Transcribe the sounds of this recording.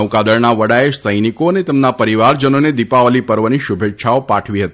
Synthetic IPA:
əwkad̪əɾnaʋəɽaeʃsəjnikoənet̪ɛmnapəɾiʋaɾd͡ʒənoned̪ipaʋəlipəɾʋəniʃubʱetːʃʰaopaʈʰʋiɦət̪i

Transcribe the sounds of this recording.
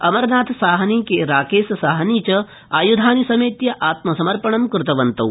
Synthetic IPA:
ɐmɐɾnaːt̪ʰsaːɦɐnikeɾaːkeːsɐsaːɦɐniːt͡ʃɐ | aːjud̪ʱaːnisɐmeːt̪jɐʔaːt̪mɐsɐmɐɾpɐɳɐmkɾɪt̪ɐʋɐnt̪ɐ̰w

